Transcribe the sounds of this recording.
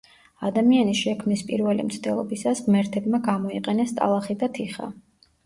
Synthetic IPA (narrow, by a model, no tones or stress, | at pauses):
ad̪amianisʃɛkʰmnispʼḭɾvɛlḭmt̪sʰd̪ɛlˠɔ̰bisasmɛɾt̪ʰɛbmaɡamɔiqʼɛnɛst̪ʼa̰lˠaχid̪at̪ʰiχa̰